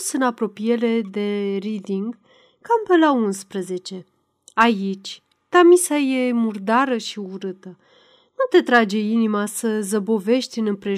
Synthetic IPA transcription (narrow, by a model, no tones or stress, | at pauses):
sɨnapɾo̞pije̞le̞d̪e̞ɾid̪iŋɡ | kampelaunspɾəze̞t͡ʃe̞ | ait͡ʃʲ | t̪amisaje̞murd̪aɾəʃiuɾɨt̪ə | nut̪e̞t̪ɾad͡ʒe̞inimasəzəbo̞ve̞ʃt̪ʲɨnɨmpɾe̞